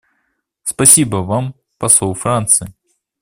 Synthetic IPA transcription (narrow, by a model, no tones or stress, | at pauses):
spɐsʲibəvam | pɐsowˠfɾant̪sɨ